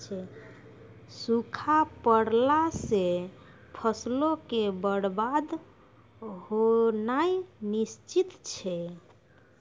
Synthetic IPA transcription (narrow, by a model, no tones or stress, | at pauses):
t͡ʃʰɛ | sukʰapəɽlase | pʰəslokebəɽbad̪ | ɦonajnist͡ʃit̪t͡ʃʰɛ